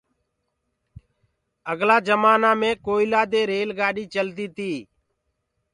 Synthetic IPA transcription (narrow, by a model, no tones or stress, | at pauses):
əɡlaːd͡ʒəmaːnaːmẽːkoːilaːd̪eːɾeːlɡaːɗiːt͡ʃəlt̪iːt̪iː